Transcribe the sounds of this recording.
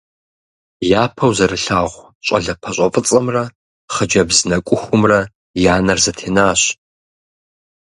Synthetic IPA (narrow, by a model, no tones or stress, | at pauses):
jaːpʰɐwzɐrɨɬaːʁʷ | ɕʼɐ̰ɮɐpʰɐɕʷʼɐfʼɨt͡sʼɐmrɐ | χəd͡ʒɐbzɨnɐkʷʼʊxʷʊmrɐ | jaːnɐrzɐtʰeːnaːɕ